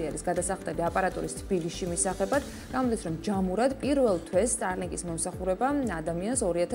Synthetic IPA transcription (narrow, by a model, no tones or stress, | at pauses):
iaɾisɡad̪asaχlˠt̪ʼɛliapʼaɾat̪ʼɔɾist̪ʰb̥iliʃimisaχɛbad̪ | ɡ̥amɔd̪isɾɔmd͡ʒamuɾad̪pʼiɾvɛlˠt̪ʰwɛsːt̪ʼaɾliŋkʼismɔmsaχuɾɛbaad̪amiansɔɾiat̪ʰ